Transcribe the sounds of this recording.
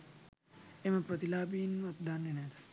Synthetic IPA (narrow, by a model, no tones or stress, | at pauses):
emɐpɾɐt̪ilaːbiːnmɐt̪̚d̪ʱaːnːinet̪ʰḁ